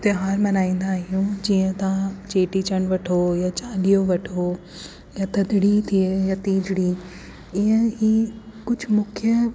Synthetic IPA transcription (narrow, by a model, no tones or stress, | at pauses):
ɪt̪ɪɦaːɾmɐnaːĩːn̆d̪aːɦijũd͡ʑiːə̃t̪aãt͡ɕeːʈiːt͡ɕəɽ̃ʋɐʈʰojat͡ɕaːlijoʋɐʈʰo | jat̪ɐd̪ʱɽit̪ʰiejaːt̪iːd͡ʑʱɽi | ɪə̃ɦiːkʊd͡ʑʱmʊkʰjə